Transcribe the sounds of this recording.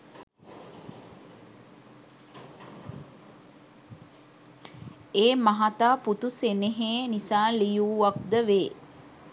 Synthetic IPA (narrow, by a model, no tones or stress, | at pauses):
eːmaɦat̪aːput̪useneɦeːnisaːlijuːʋak̚d̪əʋeː